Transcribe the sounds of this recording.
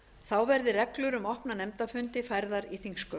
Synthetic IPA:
θawvɛɾðɪrɛklʏɾʏmɔhpnanɛmt̪afʏnt̪ɪfajɾðaɾiθiŋskœ

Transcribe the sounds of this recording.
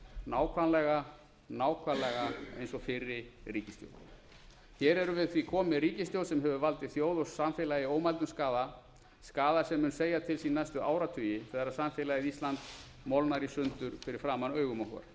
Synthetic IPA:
naːwkʰvanlɛɣa | naːwkʰvanlɛɣaejnsɔfɪɾːɪriːcɪst̪jo̰wl | çɛːɾɛɾʏvɪðθvikʰɔːmɪɾiːcɪst̪jowðsɛmɦɛvʏvalt̪ɪθjoːwðɔssamfɪlajɪoːwmalt̪ʏmskaːða | skaːðasɛmːʏnseːjat̪ʰɪlsinajst̪ʏaːwɾat̪ʰʏːjɪθɛaɾaðsamfɪlajɪðist̪lant̪ | mɔwlnaɾisʏnt̪ʏɾ̥fɪɾɪɾ̥fɾaːmanœːɥɣʏmɔwhkɛ̰ɾ

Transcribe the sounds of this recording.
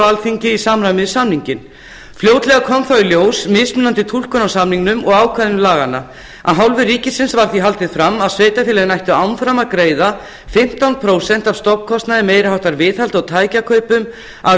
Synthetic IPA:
alfiɲcɪisaːmamɪðsamniɲcɪn | fljoːwt̪lɛɣakʰɔmθawiljoːwsmɪðsmʏnant̪ɪt̪ʰul̥kʏnasamniŋnʏmʔɔɣaːwkʰaðʏmlaːɣanːa | ʔa̰ðɦawlvɪriːcɪsɪnsvaɾ̥θiɦalt̪ɪðfɾamːaðsveːjt̪afɪːlɛɣnajht̪ʏawnfɾamaðkɾeːjða | fɪm̥t̪awnpʰɾoːwsɛn̥t̪avst̪ɔpkʰɔst̪naðɛmeːjɾɪhawht̪aɾvɪːðhalt̪ɔɣt̪ʰaːjcakʰœːɥpʏm | a

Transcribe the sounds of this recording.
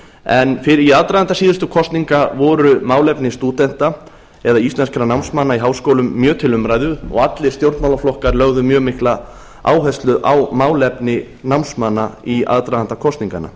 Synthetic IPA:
ɛnfɪɾiaðt̪ɾajðant̪asiːðʏst̪ʏkʰɔst̪niŋkavɔɾʏmaːwlɛpnɪst̪uːt̪ɛn̥t̪a | ɛðaist̪lɛnskaɾanawnsmanːaiɦaːwskoːwlʏmːjœːt̪ʰɪlʏmɾajðʏɔ̰ɣat̪lɪ̥st̪jowɾt̪mawlaflɔhkaɾlœɣðʏmjœːmɪhkla | a̰ːwɦœst̪lʏʔawmaːwlɛpnɪ | nawnsmanːaia̰ðt̪ɾaðan̥t̪akʰɔst̪niŋka̰na̰

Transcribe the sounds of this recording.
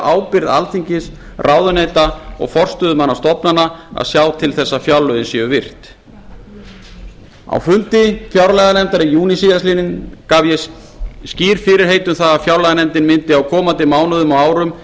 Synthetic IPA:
ʔaːwpɪɾða̰lθiɲcɪs | rʔawðʏneːjt̪aɔ̰ɣfɔr̥st̪ʏðʏmanːast̪ɔpnanːaa̰ðsjaːwt̪ʰɪlθɛsːafjawlːʏðɪnsjɛɣʏvɪr̥t̪ | a̰wfʏnt̪ɪfjawɾalɛɣanɛmt̪aɾɪjuːnisijasliːnɪnkavjɛ | sciːɾ̥fɪɾɪɾ̥ɦeːjt̪ʏmθaðafjawlɛɣanɛmt̪ɪnmɪnt̪ɪawkʰɔːmant̪ɪmaːwnʏðʏmɔaːwɾʏm

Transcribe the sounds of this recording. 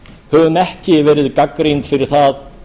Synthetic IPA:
hœvʏmɛhcɪvɛːɾɪðkakɾejnt̪fɪɾɪɾ̥θað

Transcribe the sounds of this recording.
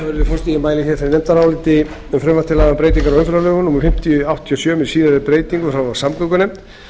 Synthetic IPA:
avɛɾɪðɪfɔst̪ijɪmaːjlɪçɛɾθeɾnɛmt̪aɾaːwlɪt̪ɪ | ʏmfɾʏmvat̪ɪlaɣapɾeːjt̪iŋkaɾawœnfɛɾlalœːɣʏnumɪfɪm̥t̪jʏawht̪ʰjiɔsjœːmɪsiːðaɾɪpɾeːjt̪iŋkʏθɾawvḁsamkœkʏnejm̥t̪

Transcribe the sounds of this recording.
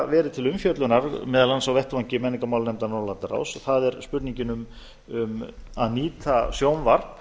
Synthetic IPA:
vɛːɾɪt̪ʰɪlʏmfjœt̪lʏnaɾmɛːðalansawvɛht̪vaɲcɪmɛnːɪŋkamawlnɛmt̪anɔlant̪aɾa̰wsɔθaðɛɾspʏt̪niɲcɪnʏm | ʏmaðniːt̪ʰasjowmvar̥p

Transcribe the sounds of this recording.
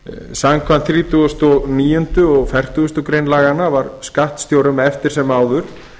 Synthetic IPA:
samkʰvant̪θɾiːt̪uɣʏst̪ɔɣniːjʏnt̪ʏɔɣfɛr̥t̪uʏst̪ʏkɾejnlaːɣanːavaɾskaht̪st̪jowɾʏmɛft̪ɪɾ̥sɛmaːwðʏɾ̥

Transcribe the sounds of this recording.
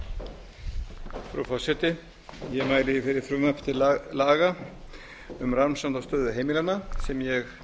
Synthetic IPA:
fɾa̰wfɔsɛt̪ɪ | jɛmaːjlɪifɪɾɪɾ̥fɾʏmapʰt̪ɪlaːɣa | ʏmraɾmsant̪awst̪œːðʏɦejmɪlanːasɛmjɛx

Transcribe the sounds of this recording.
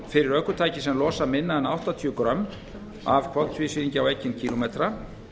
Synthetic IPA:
fɪɾɪɾœhkʏt̪ʰaːjcɪsɛmlɔːsamɪnːaðɛna̰wht̪at̪ʰiʏkɾœm | a̰v̥kʰvɔlt̪ʰviːsviːniɲcɪawɛjcːɪncʰiːlomet̪ɾa

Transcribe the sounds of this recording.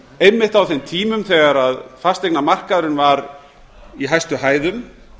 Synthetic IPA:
ejmːɪht̪awθemt̪ʰiːmʏmθɛɣaɾaðfast̪ejknamar̥kaðɾɪnvaɾ | iɦajst̪ʏɦaːjðʏm

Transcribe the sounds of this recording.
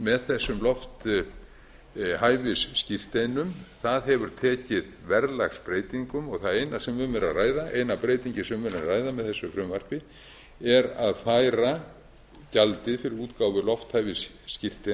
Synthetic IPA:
mɛðθɛsːʏmlɔft̪ | haːjvɪsːcir̥t̪ejnʏmθaðɦɛvʏɾ̥t̪ʰɛːcɪðvɛɾla̰xspɾeːjt̪iŋkʏmɔɣθaðeːjnasɛmvʏmːɛɾa̰ðraːjðaʔejnapɾeːjt̪iɲcɪsɛmmɛɾaraːjðamɛðθɛsːʏfɾʏmvar̥pɪ | ɛɾaðfaːjɾa | calt̪ɪfɪɾɪɾuːt̪kawvʏlɔft̪hajvɪsː | cir̥t̪e

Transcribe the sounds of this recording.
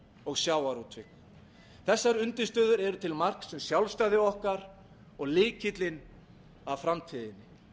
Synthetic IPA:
ɔɣsjaːwaɾut̪ʰvɪk | θɛsːaɾʏnt̪ɪst̪œːðʏɾɛɾʏt̪ʰɪlmar̥ksɛmsjawlst̪ajðɪɔhkaɾ | ɔɣlɪːcɪt̪lɪn | avfɾamt̪ʰiðɪnːɪ

